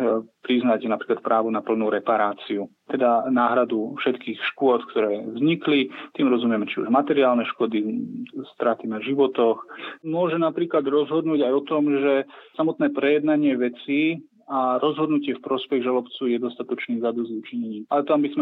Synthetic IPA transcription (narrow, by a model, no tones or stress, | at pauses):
pɾiznacnapɾiːklat̪̚pɾaːʋunapl̩nuːɾɛpaɾaːt͡siut̪ɛd̪anaːɦɾad̪ufʃɛt̪kiːxʃkʊɔt̪kt̪ɔɾɛːvzɲiklit̪iːmɾɔzumɪɛmɛt͡ʃiṵʒmat̪ɛɾiaːlnɛʃkɔd̪ist̪ɾat̪inaʒiʋɔt̪ɔxmʊɔʒɛnapɾiːklad̪ɾɔzɦɔd̪nuːɟajɔt̪ɔmʒɛsamɔt̪nɛːpɾɛjɛd̪naɲɪɛʋɛt͡siː | aɾɔzɦɔd̪nucɪɛfpɾɔspɛɣʒalɔpt͡suːjɛd̪ɔst̪at̪ɔt͡ʃniːzad̪ɔzut͡ʃiɲɛɲiːmalɛt̪ambizmɛ